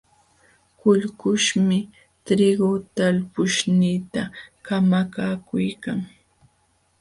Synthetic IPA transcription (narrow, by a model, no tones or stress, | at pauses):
kʊʎkʊʃmɪ | t̪ɾɪɡot̪alpʊʃniːt̪akamakaːkʊjkaŋ